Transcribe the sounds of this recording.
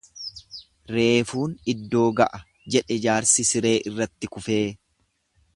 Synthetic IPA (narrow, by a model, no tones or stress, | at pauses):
ɾe̞ːfuːnɪd̪ːo̞ːɡɐʔɐ | d͡ʒɛᶑɛd͡ʒaːɾsɪsɪɾe̞ːʔɪrːɐt̪ːɪkʊfe̞ː